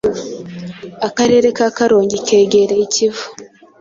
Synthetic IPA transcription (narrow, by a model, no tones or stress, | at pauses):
akaɾe̞ːɾe̞kaːkaɾoːɲɟikeːɡeɾeicivu̥